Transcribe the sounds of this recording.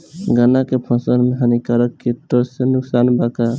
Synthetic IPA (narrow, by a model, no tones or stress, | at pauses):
ɡənakepʰə̃sənmeɦənikəɾəkːeʈosenʊksanbaka